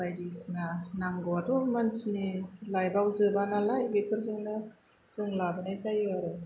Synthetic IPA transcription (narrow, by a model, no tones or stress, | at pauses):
ajdisnanaŋɡɔwatɔmansnilajbawzɯbanalajbepʰɯɾzɯŋnɯ | z̥ɯŋlabɯnajzajɯaɾɯ